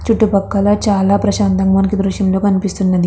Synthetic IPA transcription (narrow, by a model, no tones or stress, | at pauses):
t͡ʃuʈːupɐkːɐlɐt͡ʃaːlaːpɾɐʃaːnt̪ɐmmɐnɐkid̪ɾuʃjɐmlo̞ːkɐnipist̪unːɐd̪i